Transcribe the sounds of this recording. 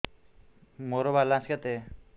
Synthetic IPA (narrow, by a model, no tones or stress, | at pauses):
moɾobalãskat̪e